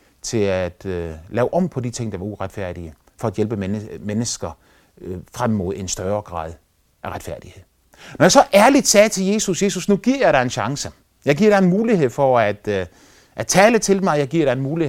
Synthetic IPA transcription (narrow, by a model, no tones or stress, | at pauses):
t͡sʰe̝læd̥lɛːʊʔɒ̽m̰pʰɒ̽d̥it͡sʰe̝ŋ̰d̥ɑ̈ʋɑ̈uʁad̥fæɐ̰d̥iə | fɒ̽æd̥jelb̥əmenəsɡ̥ɐ | fʁamːo̝ð̞̰ˠe̝nsd̥ɶːɐɡ̥ʁɑ̰̈ːð̞ˠ | ʔæʁad̥fæɐ̰d̥ihe̝ð̰ˠ | nɒjɑ̈sɒ̽ʔæɐlid̥sɛːt͡sʰe̝lje̝ːsusje̝susnuɡ̥iɐ̰jɑ̈ɪɾɑ̈e̝nɕɑ̈ŋsə | jɑ̈ɪɡ̥iɐ̰ɾ̥ɑ̈e̝nmuːlihe̝ð̰ˠfɒæd̥ | ʔæt͡sʰɛːlət͡sʰe̝ldemɑ̈ɪjɑ̈ɪɡ̥iɐ̰ɾ̥ɑ̈e̝nmuːli